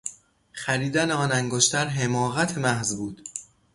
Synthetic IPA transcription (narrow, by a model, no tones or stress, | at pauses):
χæɾiːd̪æneɒːnæŋɡoʃt̪ʰæɾɦemɒːɣæt̪ʰemæhzbuːd̪̥